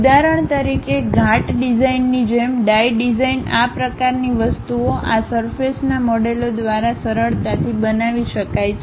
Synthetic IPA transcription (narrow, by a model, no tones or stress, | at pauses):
d̪aɾəɳt̪əɾikeɡʱaʈɖid͡ʒainːid͡ʒemɖajɖid͡ʒainapɾəkaɾniʋəst̪uoʔasəɾfesnamɔɖelod̪ʋaɾasəɾəɭt̪at̪ʰibənaʋiʃəkajt͡ʃʰ